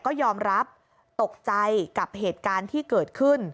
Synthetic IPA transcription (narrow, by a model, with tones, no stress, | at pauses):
kɔː˥˩jɔː˧mɾa˦˥p̚ | t̪o˨˩k̚t͡ɕa˧jka˨˩p̚heː˨˩t̪̚kaː˧nt̪ʰiː˥˩kɤː˨˩t̪̚kʰɯ˥˩n